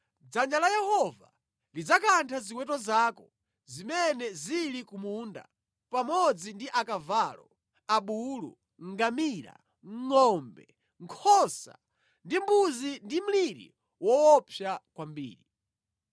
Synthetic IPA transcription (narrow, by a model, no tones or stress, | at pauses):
d͡zand͡ʒalajɛhɔva̰ | lid͡zakantʰazikwɛtɔzaːkɔ | zimɛnɛzilikumuːnda̰ | pamɔd͡zindiʔakavalɔ | aɓulṵ | ŋɡamila̰ | ŋŋɔmbɛ̰ | ŋ̩kʰɔsa̰ | ndimbuzindim̩liɾḭ | wɔwɔpʰjakwambḭːɾi